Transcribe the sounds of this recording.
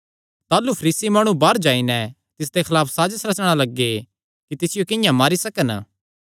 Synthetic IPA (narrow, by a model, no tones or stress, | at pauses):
t̪aːlupʰɐɾiːsimaːɽ̃ũbaːɾd͡ʒaːinɛ | t̪ɪs̬d̪ekʰɐlaːpʰsaːd͡ʒsɾɐt͡ʃɽ̃alɐɡːe | kit̪ɪsɪjokɪjãmaːɾisɐkən